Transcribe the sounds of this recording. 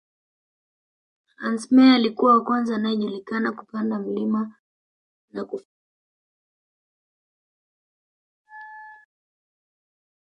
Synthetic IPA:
ansmɛalikuwawakwanzaːnajɛʄulikanaku̥pandam̩lima | naku

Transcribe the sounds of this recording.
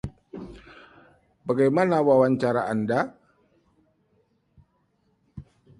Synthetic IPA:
baɡajmanawawaɲt͡ʃaɾa̰ʔanda

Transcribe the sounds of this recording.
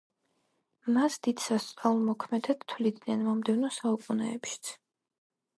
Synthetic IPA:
masd̪̥id̪̥sast̪sʼaulˠmɔkʰmɛd̪ɛt̪t̪ʰwlid̪nɛnmɔmd̪ɛvnɔsaukʼunɛ̰ːpʃi̥t̪sʰ

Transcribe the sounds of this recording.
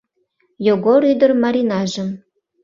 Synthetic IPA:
joɡoɾyd̪ərmɑɾʲinɑʒə̆m

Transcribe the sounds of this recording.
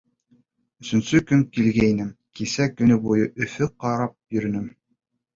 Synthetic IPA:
ɵ̆sɵ̆nsɵkɵmkilɡæinɘmkisækɵ̆nɵbujɤʔɵ̆fɵqɑɾɑp̚jɵ̆ɾɵ̆nɘm

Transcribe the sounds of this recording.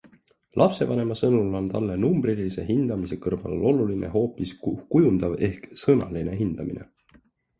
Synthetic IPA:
lʔɑpse̞vɑne̞mɑsɤnulo̞nt̪ɑlːenumb̥rilise̞ɦind̪̥ɑmise̞kɤrvɑ̰llʔo̞lulinʔḛɦo̞ːpiskujund̪̥ɑve̞hksɤnɑ̰line̞ɦind̪̥ɑminḛ

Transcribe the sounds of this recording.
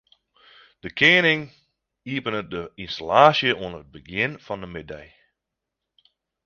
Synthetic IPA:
d̥əkʰeːnɪŋ | iəpənət̚dəinstalaːsjəʔuənrət̚bəɡɪnfɔndəmɪdɛj

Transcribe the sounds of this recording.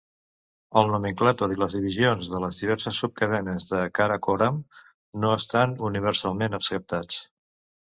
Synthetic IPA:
əlˠnomiŋklat̪oɾiləzðiβizionzðələzðiβ̞ɛɾsəsːup̚kəðɛnəzðəkaɾakoɾam | noəst̪anuniβ̞əɾsalˠmenəpskəp̚t̪at͡s

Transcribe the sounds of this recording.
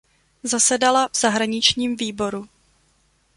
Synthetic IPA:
zasɛdalavz̥aɦɾaɲɪt͡ʃɲiːmviːbo̞ɾu

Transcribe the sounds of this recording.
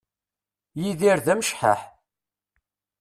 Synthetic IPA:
jiðiɾðæmʃħa̰ħ

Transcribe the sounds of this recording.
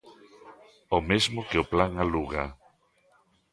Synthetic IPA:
omezmokeoplaŋaluɣa

